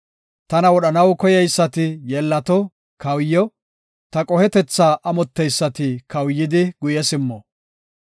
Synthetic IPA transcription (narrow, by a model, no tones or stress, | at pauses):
t̪ɐnɐwɔɗɐnɐwkɔjɛjsːɐt̪ɪjɛlːɐt̪ɔ | kɐwjːɔ | t̪ɐkʼɔhɛt̪ɛt͡sːaːʔɐmɔt̪ːɛjsːɐt̪ɪkɐwjːɪd̪ɪɡ̥ʊjɛsɪmːɔ